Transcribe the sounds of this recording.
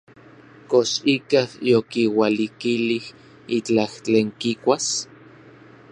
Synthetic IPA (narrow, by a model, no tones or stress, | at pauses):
koʃikahjokiwalikilih | it͡ɬaht͡ɬeːŋkikʷas